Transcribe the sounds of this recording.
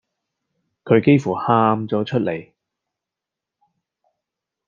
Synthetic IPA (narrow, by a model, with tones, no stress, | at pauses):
kʰɵ˨˧ɥke˥jfuː˨˩haː˧˥mt͡sɔː˨˥t͡ʃʰɵ˥t̚lʔe˨˩j